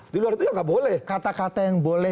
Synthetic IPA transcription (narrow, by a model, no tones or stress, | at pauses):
diluaɾit̪ujaŋɡaʔbolɛhkat̪akat̪ajaŋbolɛ